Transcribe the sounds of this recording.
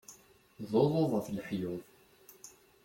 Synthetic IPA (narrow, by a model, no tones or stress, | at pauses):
ðoðˤoðˤəflħjʊðˤ